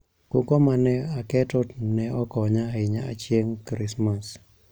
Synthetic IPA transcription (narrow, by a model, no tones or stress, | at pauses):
kukɔmanɛakɛtɔnɛɔkɔɲaaɪɲaa̰t͡ʃjeŋkɾɪsmas